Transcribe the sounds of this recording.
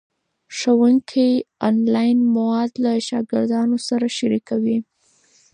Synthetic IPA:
ʂawuŋkʰiɑnlɑjnmawɑd̪laʃɑɡɪɾd̪ɑnosaɾaʃaɾikawi

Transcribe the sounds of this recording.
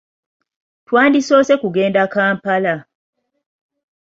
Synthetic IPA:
twaːndiso̞ːse̞kuɡe̞ːndakaːmpala

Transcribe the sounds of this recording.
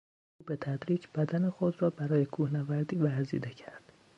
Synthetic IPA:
ʔuːbet̪ʰæd̪ɾiːd͡ʒb̥æd̪ænexod̪rɒːbæɾɒːjekʰuːhnævæɾd̪iːvæɾzḭːd̪ecʰæɾd̪̥

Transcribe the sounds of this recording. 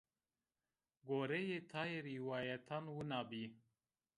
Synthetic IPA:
ɡoːɾejet̪ʰaːjeɾiwaːjat̪ʰanwunabi

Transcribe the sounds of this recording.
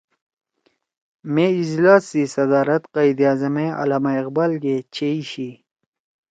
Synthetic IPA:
meid͡ʑlaːsːisɐd̪aːɾɐt̪qɑjd̪ijaːzɐmẽɐ̰laːmaiqbaːlɡet͡ɕeiɕi

